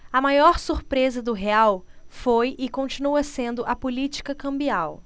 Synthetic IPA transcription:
ɐmajɔɾsuɾpɾezɐd̪ʊɦeawfojɪkõnt͡ʃinuɐsẽnd̪ʊʔɐpolit͡ʃi̥kɐkɐ̃mbiaw

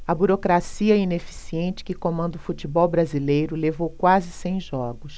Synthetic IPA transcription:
ɐbuɾokɾasiɐinefi̥siẽnt͡ʃɪ̥kɪkõmɐ̃nd̪ʊfut͡ʃibɔwbɾazilejɾʊlevowkwazɪsẽj̃ʒɔɡʊs

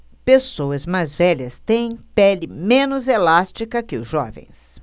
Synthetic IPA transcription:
pesowɐzmajzvɛʎɐst̪ẽj̃pɛlɪmẽnʊzelast͡ʃikɐkɪʊzʒɔ̰vḛ̃j̃s

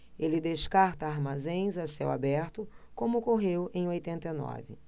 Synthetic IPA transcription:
elɪd̪eʃkaɾt̪ɐaɾmazẽj̃zasɛwa̰bɛɾt̪ʊkõmʊkoɦewʔẽj̃ojt̪ẽnt̪ejnɔ̰vɪ̰

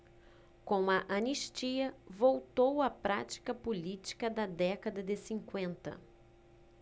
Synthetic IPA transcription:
kõw̃ɐʔɐniʃt͡ʃiɐvowt̪owɐpɾat͡ʃi̥kɐpolit͡ʃi̥kɐd̪ɐd̪ɛkɐd̪ɐd̪ɪsĩŋkwẽnt̪ɐ̰

